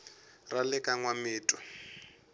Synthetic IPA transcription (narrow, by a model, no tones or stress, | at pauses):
ralɪkʼaŋwamɪːtʼɔ̥